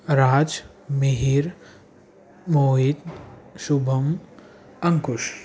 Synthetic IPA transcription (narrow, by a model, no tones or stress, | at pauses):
ɾaːd͡ʒ | meɦiːɾ | moːɦid̪ʃubʱɐm | ɐŋkʊʃ